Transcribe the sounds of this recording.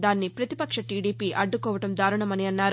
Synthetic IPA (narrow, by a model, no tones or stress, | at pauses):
d̪aːnːipɾɐt̪ipɐkʂɐʈiːɽiːpiːʔɐɖːukɔːʋɐʈɐmd̪aːɾɐɳɐmɐniɐnːaːɾ